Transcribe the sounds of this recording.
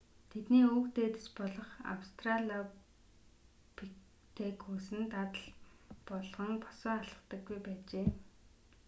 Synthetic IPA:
t̪ʰet̪niːokt̪eːt̪ɘ̆spɔɮɞ̆χa̰wst̪ʰraɮia | pʰik | t̪ʰekʰusɘ̆nt̪at̪ə̆ɮpɔɮʁɞ̆ŋpɔ̥sɔːaɮə̆χt̪ə̆ɡːujpæːt͡ɕeː

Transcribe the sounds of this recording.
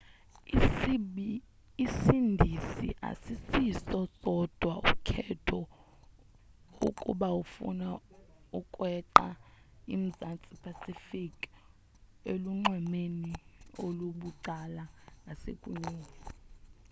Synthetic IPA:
isindʱisḭʔa̰sisisɔsʼɔd̥ʱwaṵkʰɛtʰɔ | ṵkʼṵɓaufṵna | ukʼwɛǃa̰ | ḭm̩zant͡sʼipʰasifikʼ | eluŋ͡ǃwɛmenioluɓuǀalanasḛkʼuɲuːnɔ

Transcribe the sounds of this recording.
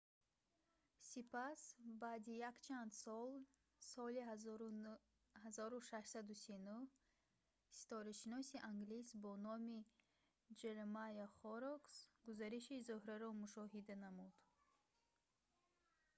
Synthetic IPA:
sipasbaːd̪ijakt͡ʃʰand̪sɔl | sɔli | hazɔɾuʃaʃsad̪usinuh | si̥t̪ɔɾiʃinɔsiʔaŋɡlisbɔnɔmi | d͡ʒeɾmajɔχɔɾɔksɡ̥uzaɾiʃizuhɾaɾɔmuʃɔɦid̪anamud̪̥

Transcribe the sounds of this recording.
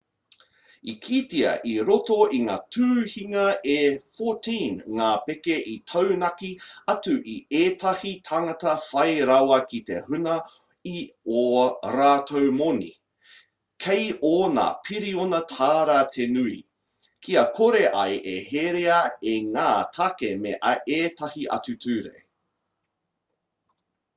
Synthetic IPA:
ikʰitiɐ̰ʔiɾotoʔiŋa̰ːtʰʉːhiŋɐʔefoːtʰĩnŋaːpekeʔitʰɐwnɐkiɐtuʔieːtʰɐhitʰaŋɐtɐfɐjɾawɐkitḛhʉnɐ | ioɾaːtʰowmonḭ | kʰejoːna̰pʰiɾionɐtʰaːɾɐtʰenuḭ | kʰiɐkʰoɾeʔɐjʔeheɾeɐeŋaːtʰakemeʔɐʔeːtʰɐhiʔɐ̰t͡sʉtʰʉːɾḛ

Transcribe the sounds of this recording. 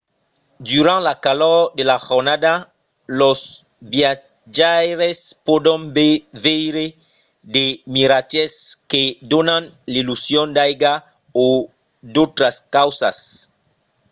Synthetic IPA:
d̪uɾãnlakalɔd̪elaxoɾnad̪a | los | bja | d͡ʒaɾespod̪õmbevejɾe | d̪emiɾat͡ʃesked̪onãnlilusjõnd̪ajɡa | o | d̪ot̪ɾaskawsa̰s

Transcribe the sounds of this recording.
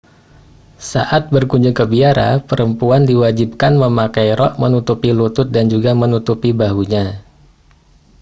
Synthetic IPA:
sa̰ʔat̪̚bərkuɲd͡ʒʊŋkəbiaɾa̰pəɾəmpuandiwad͡ʒip̚kanməmakajɾɔʔmənut̪upilut̪ʊt̪̚dand͡ʒuɡamənut̪upibaɦuɲa

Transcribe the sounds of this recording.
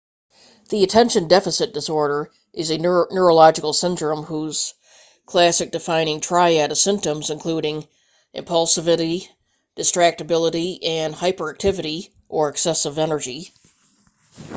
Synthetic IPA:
ðiɨtʰɛ̃nʃɨ̃ndɛfɨsɨt̚d̥ɨsɔɹɾə˞ | ʔɨzɨnə˞əlɑd͡ʒɨkl̩ˠsɪ̃ndɹɨ̃mhuz̥ | kʰl̥æsɨk̚d̥ɨfãɪ̃ñɪ̃ŋtʰɹ̥aɪæɾɨ̥sɪ̃mp̚tə̃mzɨ̃nkʰl̥uɾɪ̃ŋ | ʔɨ̰̃mpʰʌlˠsɨvɨɾi | d̥ɨstɹ̥æk̚tɨbɪlˠəɾiɨ̃nhaɪpə˞æk̚tʰɪvɨɾi | ʔə˞ɨksɛsɨvɛnə˞d͡ʒi

